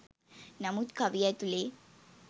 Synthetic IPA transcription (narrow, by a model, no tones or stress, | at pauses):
namut̪kʰaʋijajt̪ule